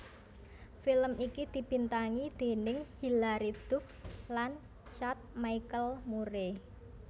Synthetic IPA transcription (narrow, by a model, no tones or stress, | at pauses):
filəmʔikid̪̥i̤b̥i̤nt̪aŋid̪̥e̤nɪŋhilaɾid̪̥ʊ̤flan | t͡ʃat̪̚maikəlmuɾe